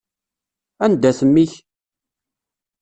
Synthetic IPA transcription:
ænd̪æθəmːiç

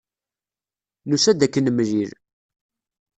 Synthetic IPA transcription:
nusæd̪ækːənəmʒiɾ

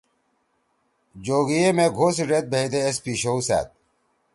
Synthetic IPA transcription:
d͡ʑoːɡijemeːɡʱoːsiɖet̪̚bʱeid̪eːspiːɕousa̰ːt̪̚

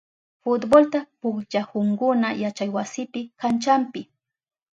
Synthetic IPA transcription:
fʊt̪bolt̪apʊkt͡ʃahʊŋkʊnajat͡ʃajwasɪpɪkant͡ʃampɪ

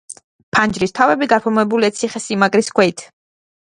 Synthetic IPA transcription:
pʰand͡ʒɾist̪ʰavɛbiɡaɾpʰɔmɛbuliat̪sʰiχɛsimakʼɾiskʰwɛit̪ʰ

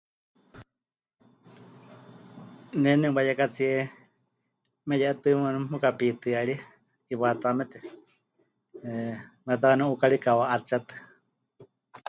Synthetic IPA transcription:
nɛnɛbajakat͡siɛ | mɛjɛʔt̪ɨmɨnmukapit̪ɨaɺi | iβat̪amɛt̪ɛ | mɛt̪̬akanɛ̃ʔukaɺikawaʔat͡sat̪ɨ̥

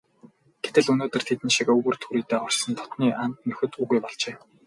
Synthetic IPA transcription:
ɡ̥et̪ɘ̆ɮɵnoːt̪ɵ̆rt̪ʰet̪ɘ̆nʃikɵɣɵ̆rt̪ʰxuɾiːt̪eːχɔr̥t͡ɕsə̆nt̪ʰɔ̥t̪niːʔan̥t̪nɵxɘ̆t̪uɣujpɔɮt͡ɕeː

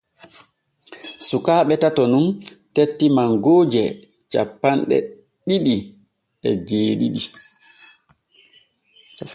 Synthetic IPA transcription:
sukaːɓɛtatɔnuntetːimaŋɡoːd͡ʒɛ | t͡ʃa̰pːanɗɛ̰ | ɗiɗi | ɛd͡ʒeːɗiɗi

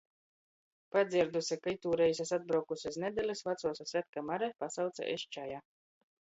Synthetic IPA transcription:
pad̪ziɾd̪usʲakajt̪uːɾɛis̬ʲasad̪̚bɾawkusʲasnʲɛd̪ʲɛlʲisvat̪suɔsʲasvʲæt̪̚kamaɾɛpasawt̪sa̰ʔeʃt͡ʃaja

